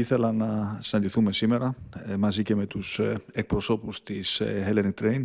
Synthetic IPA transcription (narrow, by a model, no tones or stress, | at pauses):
iθɛlanasant̪iθumɛsimɛɾamas̬icɛmɛt̪usɛk̚pɾɔsopust̪ʰisɦɛlɛnit̪ɾejn